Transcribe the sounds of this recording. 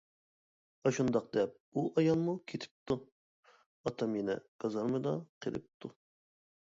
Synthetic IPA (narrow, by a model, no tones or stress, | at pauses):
ɑʃund̪ɑqd̪ɛp̚uʔɑjɑlˠmukʲʰet̪ʰɪ̥p̚t̪ʰu | ɑt̪ʰɑmenɪ̰ɡ̥ɑzɑɾmɨd̪ɑqʰḛlˠɪ̰p̚t̪ʰu